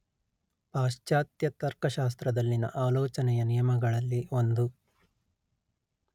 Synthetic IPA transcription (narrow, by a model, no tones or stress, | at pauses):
paːʂt͡ʃaːt̪jɐt̪ɐɾkɐʃaːs̬t̪ɾɐd̪ɐlːinɐ̰ʔaːloːt͡ʃɐnɛjɐnijɐmɐɡɐɭɐlːiond̪u